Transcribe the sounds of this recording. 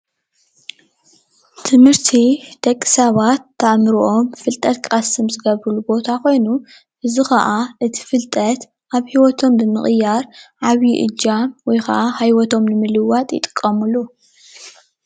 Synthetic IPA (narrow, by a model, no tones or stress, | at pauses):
t̪ʰɨmhɨɾt̪ʰid̪̥ɐkʼːi̥saβat̪ʰːɐʔmɨɾuʔomfɨlt̪ʼɐt̪̚kʼasɨmzɨɡɐβɾɨlubo̞t̪ʰako̞jnu | ʔɨzixɐʔaʔɨt̪ʰi̥fɨlt̪ʼɐt̪ | ʔaβhiwɔt̪ʰo̞mbɨmɨχʼjaɾʕaβjiʔɨ̰d͡ʒːamwɔjxɐ̰ʔahajwɔt̪ʰo̞mnɨmɨlɨwat̪ʼjɪ̰t̪ʼɨ̥kʼːɐmulu